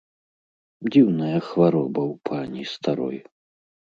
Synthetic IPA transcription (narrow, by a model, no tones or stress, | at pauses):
dd͡zʲiwnɐjɐxvaɾɔbɐwpʰanʲist̪aɾɔ̰j